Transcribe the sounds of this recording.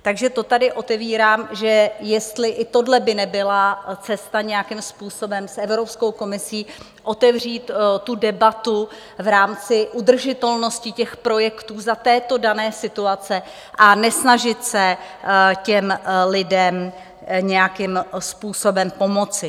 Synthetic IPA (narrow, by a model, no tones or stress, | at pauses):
t̪aɡʒɛt̪o̞t̪adɪʔo̞t̪ɛviːɾaːmʒɛjɛst̪lɪʔɪt̪odlɛbɪnɛbɪlat͡sɛst̪aɲɛjakɪmspuːso̞bɛmsʔɛvɾo̞psko̞wko̞mɪsiː | ʔo̞t̪ɛvr̝iːt̪t̪udɛbat̪u | vɾaːmt͡sɪʔud̪r̩ʒɪt̪ɛlno̞scɪcɛxpɾo̞jɛkt̪uːzat̪ɛːt̪o̞danɛːsɪt̪uat͡sɛ | ʔanɛsnaʒɪt̪sɛ | cɛmlɪdɛm | ɲɛjakɪmspuːso̞bɛmpo̞mo̞t͡sɪ